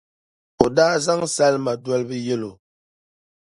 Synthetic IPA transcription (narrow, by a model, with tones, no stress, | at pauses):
o˨daː˦za˦ŋsa˦lma˨dwa˦lbɨ˦jɛ˦lo˨